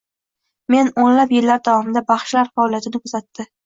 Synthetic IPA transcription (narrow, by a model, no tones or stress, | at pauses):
me̞nonlapjɪlːaɾd̪avɒmɪnd̪abɑχʃlaɾfaɒlijat̪ʰɪnɪkʰɵzat̪ːɪ